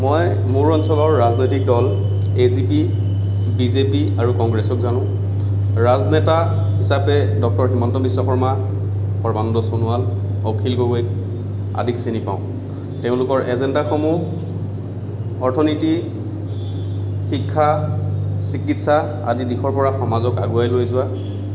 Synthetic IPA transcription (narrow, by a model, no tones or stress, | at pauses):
mɔj | muɹɔnsɔlɔɹːaznojtik̚dɔl | ezipi | bizepiaɹukɔŋɡɹɛsɔkzanʊ̃ | ɹaznɛta | hisapɛdɔk̚tɔɹximantɔbisːɔxɔɹma | xɔɹbandɔsonʊalokʰilɡoɡojt | a̰dʱiksinipã̰ʊ̃ | teʊ̃lʊkɔɹʔɛzɛndaxɔmu | ɔɹtʰɔniti | xikʰːa | sikitsa | a̰didikʰɔɹpɔɹaxɔmazɔkaɡuajlojzʊa